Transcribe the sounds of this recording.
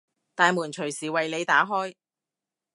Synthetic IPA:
t̪aː˨jmuː˨˩nt͡ʃʰɵ˨˩ɥsiː˨˩wɐ˨jle˨˧jt̪aː˨˥ɦɔː˥j

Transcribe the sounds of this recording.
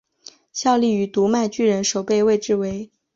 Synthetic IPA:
ɕjɑ˥˧ʊli˥˩y˧˥t̪u˧˥ma˥˧ɪt͡ɕy˥˩ɻə˧˥nʂo˨˩ʊpe˥˧ɪwe˥˧ɪʈ͡ʂɻ̩˥˩we˧˥ɪ

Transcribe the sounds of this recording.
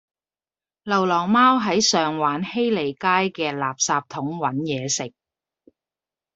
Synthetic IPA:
lɐ˨˩wlɔː˨˩ŋmaː˥wɦɐ˨˥jsœː˨ŋwaː˨˥nhe˥jle˨˩jkaː˥jkɛː˧laː˨p̚saː˧p̚t̪ʰʊ˨˥ŋwɐ˨˥njɛː˨˧sɪ˨k̚

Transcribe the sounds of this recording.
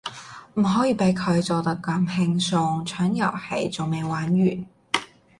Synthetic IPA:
m̩˨˩ɦɔː˨˥jiː˧pe˨˥jkʰɵ˨˧ɥt͡sɔː˨˧t̪ɐ˥kːɐ˧˥mhɪ˧ŋsʊ˧ŋt͡ʃʰœː˨˥ŋjɐ˨˩whɐ̰˨jt͡so˨wme˨˧jwaː˨˥nɥyː˨˩n

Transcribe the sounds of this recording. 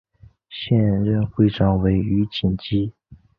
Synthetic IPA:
ɕjɛ˥˧nɻə˥˧nxwe˥˧ɪʈ͡ʂɑ˥˩ŋwe˧˥ɪy˧˥t͡ɕi˨˩nt͡ɕi˥

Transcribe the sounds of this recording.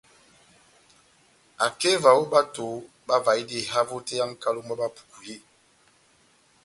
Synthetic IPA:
a˨ke˦va˨wo˦ɓa˦to˨˦ | ɓa˦va˨i˦di˦˨ɦa˦vo˦te˦ja˦ŋ˦ka˦lo˦ŋ˦a˦ba˦pu̥˨ku˨je˦˨

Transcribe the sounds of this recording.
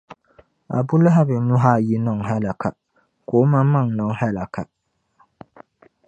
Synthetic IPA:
a̰˨bʊ˦lɪ˦ɦa˦bɪ˨nʊ˦ɦa˦˨ji˦nɔ˦˨ŋ˨ɦɛ˦la˨kʰa˨ | ko˨˦ma˦ma˦˨ŋnɔ˨ŋ˦hɛ˦la˨kʰa˨

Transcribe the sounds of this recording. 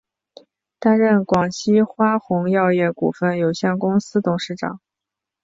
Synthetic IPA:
t̪a˥nɻə˥˩nkwɑ˨˩ŋɕi˥xwa˥xʊ˧˥ŋjɑ˥˧ʊjɛ˥˩kṵ˨˩fə˥˩njo˨˩ʊɕjɛ˥˩nkʊ˥ŋsɹ̩˥t̪ʊ˨˩ŋʂɻ̩˥˩ʈ͡ʂɑ̰˨˩˦ŋ

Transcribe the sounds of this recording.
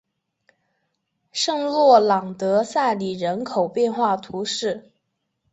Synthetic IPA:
ʂɤ˥˧ŋlwɔ˥˩lɑ˨˩ŋt̪ɤ˧˥sa˥˩ɪli˨˩ɻə˧˥nkʰo˨˩ʊpjɛ˥˧nxwa˥˩t̪ʰu˧˥ʂɻ̩˥˩

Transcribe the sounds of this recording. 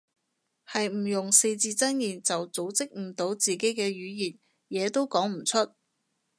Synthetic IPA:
hɐ˨jm̩˨˩jʊ˨˩ŋse˧jt͡siː˧t͡sɐ˥njiː˨nt͡sɐ˨wt͡so˨˥wt͡sɪ˥k̚m̩˨˩t̪o˨˥wt͡siː˨ke˨˥jkɛː˧jyː˨˧˥jiː˨˩n̚ | jɛː˨˧t̪o˥wkɔː˨˥ŋm̩˨˩t͡sʰɵ˥t̚

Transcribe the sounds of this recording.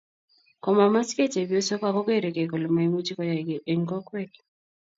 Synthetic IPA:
kɔ˨ma˨ma˦skɛ˦t͡ʃɛ˨bɔ˦sɔ˦ka˦˨kɔ˦ke˦˨ɾɛ˨kɛ˨kɔ˨lɔ˨ma˨i˦mu˦t͡ʃi˦kɔ˦ja˨ɡɛ˨ŋkɔ˦kɾɛ˦k

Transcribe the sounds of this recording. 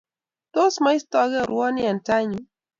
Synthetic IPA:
to˦sma˦jst̪ɔ˦ɣɛ˦ɾu˨wɔ˦ni˦a˨n˨ta˦ɲi˨

